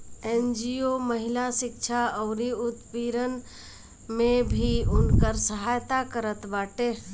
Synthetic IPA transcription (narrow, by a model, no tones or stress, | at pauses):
end͡ʒioməɦɪlasɪk̚t͡ʃʰaəʊɾiʊt̪piɾən | mẽbʱiʊnkəɾsəɦaːjt̪akəɾət̪baːʈe